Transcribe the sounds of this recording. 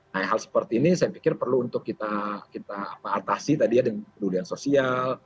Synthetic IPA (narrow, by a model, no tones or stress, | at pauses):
naɛɦalsə̥pərt̪iːnisajapikɪrpərluːnt̪ʊkːit̪akit̪a̰ːpaːt̪asit̪adijadəŋakəduliansosial